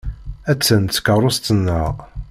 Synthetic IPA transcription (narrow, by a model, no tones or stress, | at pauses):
æt͡sːənt͡sːkəɾˤʊst̪ənːəʁ